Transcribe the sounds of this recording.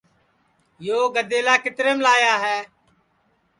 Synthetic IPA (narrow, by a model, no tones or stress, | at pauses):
joːɡəd̪eːlaːkɪt̪ɾeːmlaːjaːɦɛː